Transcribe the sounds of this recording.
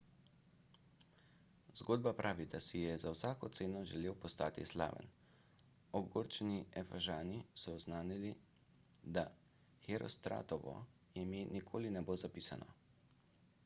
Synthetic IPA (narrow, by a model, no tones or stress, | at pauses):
zɡoːd̪̚bapɾʔaːʋid̪asijɛzawsaːkɔt̪seːnɔʒɛleːwpɔst̪aːt̪ḭsla̰ːʋə̰n | ɔɡoːɾt͡ʃɛniɛfaʒaːnisɔznaːnili | d̪a | xɛɾɔ̰st̪ɾa̰ːt̪ɔʋɔ̰ | jɛmenikʰoːlinɛbozapiːsa̰nʔɔ̰